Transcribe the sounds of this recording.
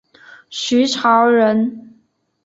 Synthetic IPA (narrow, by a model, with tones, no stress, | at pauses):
ɕy˧˥ʈ͡ʂʰɑ˧˥ʊɻə˧˥n